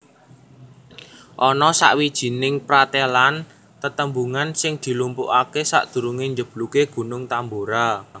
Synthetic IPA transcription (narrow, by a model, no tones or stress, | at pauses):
ʔɔnɔsa̰ʔwid̥ʒ̥i̤nɪŋpɾat̪elan | t̪ət̪əmbuŋansɪŋd̪̥i̤lumpṵʔakesa̰ʔd̪̥ṳɾuŋeɲd͡ʒəb̥lukeɡ̥ṳnʊŋt̪amboɾa